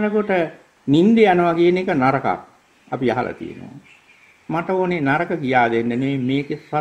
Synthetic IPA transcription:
nəkoʈə | nind̪eanəʋakienekənaɾəka̰k̚ | apiaɦa̰lʔa̰t̪ḭjḛno̰o̰ | maʈəoːnenaɾəkəkijaːd̪enɖəneʋemeːkesa

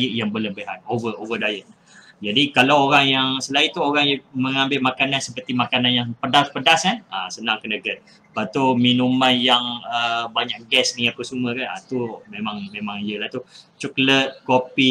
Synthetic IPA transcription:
jəʔ̚jaŋbələbəɦanovəʔovədajəʔ̚na | d͡ʒadikalawoɾaŋjaŋsəlait̪uoɾaŋjəməŋãmbɪlmakanansəpərt̪imakananjaŋpədaspədasanasənãŋkənəɡət̪̚ | pat̪uminumanjaŋəbaɲak̚ɡɛsniapəsuməkana̰t̪umẽmãŋmẽmãŋjəlaht̪ut͡ʃɔklət̪̚kopi

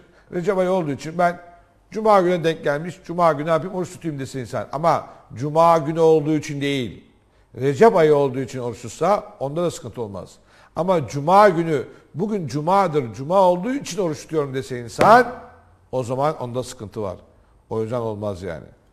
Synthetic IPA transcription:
ɾe̞d͡ʒɛpajɯo̞lˠd̪uːit͡ʃʰinbæn | d͡ʒumaːɟynɛd̪ɛɲcɟʲælʲmiʃd͡ʒumaːɟynaːpimo̞ɾuʃt̪u̥t̪ʰujumd̪ese̞jinsæ̰na̰mad͡ʒumaːɟynyo̞lˠd̪uːit͡ʃʰind̪e̞jilʲ | ɾed͡ʒɛpajɯo̞lˠd̪uːit͡ʃʰino̞ɾuʃuɾsao̞nd̪ad̪asɯ̥kʰɯnt̪ʰɯo̞lˠma̰z̥ | amad͡ʒumaːɟyny | buɟynd͡ʒumaːd̪ɯɾd͡ʒumaːo̞lˠd̪uːit͡ʃʰino̞ɾuʃt̪u̥t̪ʰjo̞ɾumd̪e̞se̞jinsæn | o̞zamano̞̰nd̪asɯ̥kʰɯnt̪ʰɯva̰ɾ̥ | o̞jyzd̪ɛno̞lˠmazja̰ːnɪ̰

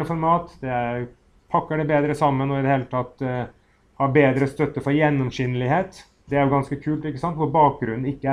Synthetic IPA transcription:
əfɔɾmɑːt̪d̪ɛ | pʰɑkːəɖɛbeːd̪ɾəsɑmːənɔɪd̪ɛheːlət̪ʰɑt̪ː | hɑɾbeːd̪ɾəst̪œt̪ːəfɔɾjɛnːɔmsynːəlɪheːt̪ | d̪ɛæɾjʊɡɑnskəkʰʉːlt̪ɪkːəsɑnt̪ʋʊɾbɑːk̚ɡɾʉnːn̩ɪkːəæ

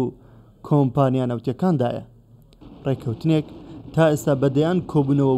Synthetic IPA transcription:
u | kʰompaːnijaːnɐwt̪jɐkaːnd̪a̰ːjɐ̰ | rekʰɐwt̪ɨnekt̪ʰaːʔest̪aːbɐd̪ɐjaːnkʰoːbuːnɐwɐ

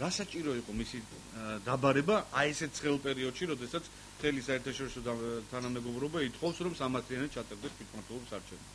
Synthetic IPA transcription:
ɾasat͡ʃʼiɾɔiqʼɔmisi | d̪abaɾɛbaaɛsɛt̪̚tsʰχɛlˠpʼɛɾiɔd̪̥ʃiɾɔd̪ɛsat̪sʰ | mt̪ʰɛlisaɛɾt̪ʰaʃɔɾisɔt̪ʰanamɛɡɔvɾɔbait̪ʰχʼɔfsɾɔmsamaɾt̪ʰlianɛt̪̚t͡ʃʰat̪ʼaɾd̪ɛst̪ʰwit̪ʰmaɾt̪ʰwɛlˠɔbisaɾt͡ʃʰɛnɛ̥

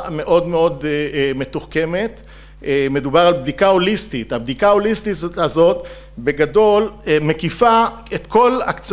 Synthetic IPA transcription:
me̞ʔo̞d̪me̞o̞d̪me̞t̪uχke̞me̞t̪ | me̞d̪ubaʁalbd̪ikao̞list̪it̪habd̪ikaolist̪iazo̞t̪ | be̞ɡado̞lme̞kifa | et̪kʰo̞la̰kt͡s

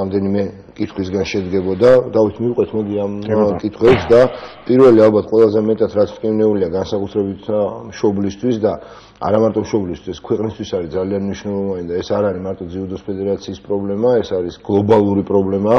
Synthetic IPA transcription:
amd̪ɛnimɛ | kʼit̪ʰχwis̬ɡanʃɛd̪ɡɛbɔd̪ad̪avit̪ʰmiuqʼwɛt̪ʰmɔd̪iamkʼit̪ʰχwɛpsd̪apʼiɾvɛlialˠbat̪ʰqʼwɛlˠazɛmɛt̪ʼat̪ʰɾat̪sʰt̪ʼkʼivnɛuliaɡansakʼut̪ʰɾɛbit̪ʰmʃɔblist̪ʰwisd̪a | a̰ɾamaɾt̪ʼɔmʃɔblist̪ʰwiskʰwɛqʼnist̪ʰwisaɾid̪zalianmniʃnɛlˠɔvanid̪aɛsaɾaɾimaɾt̪ʼɔd̪ziud̪ɔspʰɛd̪ɛɾat̪sʰiːspʼɾɔblɛmaɛsaɾisɡ̥lˠɔbalˠuɾipʼɾɔblɛma

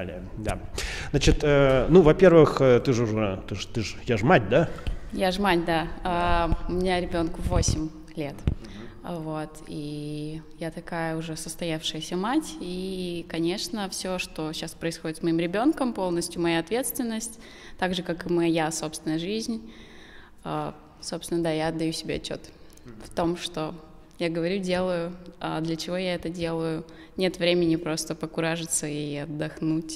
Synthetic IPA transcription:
lʲɪ̰jə | d̪a̰zat͡ɕɪt̪ənuvɐpʲe̞rvɨxət̪ɨʐʊʐɛt̪ɨʐt̪ɨʐjaʐmat̚ʲd̪ajaʐmatʲd̪aaʊmʲɪnʲaɾʲɪbʲo̞nkʊvosʲɪmʲ | lʲe̞t̪ | vo̞t̪i | jat̪ɐkajəʊʐɛsəst̪ɐjafʂɨjəsʲəmatʲikɐnʲe̞ʂnəfsʲoʂt̪o̞ɕaspɾəɪsxo̞dʲɪt̪smɐimɾʲɪbʲo̞nkəmpo̞lˠnəsʲtʲjʊmɐjaɐt̪vʲe̞t̪st̪vʲɪnːəsʲtʲ | t̪aɡʐɨkakɨmɐjaso̞pst̪vʲɪnəjəʐɨzʲnʲ | a | so̞pst̪vɪnəd̪ajaɐd̪ːɐjusʲɪbʲeɐt͡ɕːo̞̰t̪ | ft̪o̞mʂt̪o̞ | jaɡəvɐɾʲudʲe̞lˠəjʊad̪lʲət͡ɕɪvo̞jaɛt̪ədʲe̞lˠəjʊ | nʲe̞t̪vɾʲemʲɪnʲɪpɾo̞st̪əpəkʊɾaʐɨt̪səiɐd̪ːɐxnutʲ

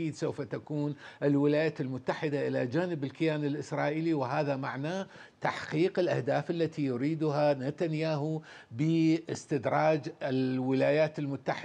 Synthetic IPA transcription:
iːd̪sowfat̪akuːnʔɪlwɪlaːjaːt̪lmʊt̪ːaħɪd̪aʔɪlad͡ʒaːnɪbɪlkɪjaːnɪlʔɪsɾˤɑːʔiːliwɪɦaːðamaʕnaː | t̪aħqiːqɪlʔahd̪aːfʔalːat̪ʰijʊɾiːd̪ʊɦanat̪anjaːɦu | bɪʔɪst̪ɪd̪ɾˤɑːd͡ʒɪlwɪlaːjaːt̪ɪlmʊt̪ːaħɪ

